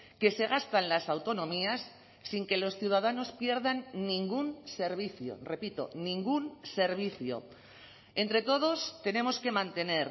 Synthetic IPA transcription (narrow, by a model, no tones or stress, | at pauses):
ke̞se̞ɣ̞ast̪anlasawt̪o̞nõ̞miasː | iŋke̞lo̞sθjuwð̞aðano̞spje̞ɾðanːĩŋɡunse̞ɾβ̞iθjo̰re̞pit̪o̞̰nĩŋɡunse̞ɾβ̞iθjo̰ | ent̪ɾe̞t̪o̞ð̞o̞st̪e̞ne̞mo̞ske̞mãnt̪e̞ne̞ɾ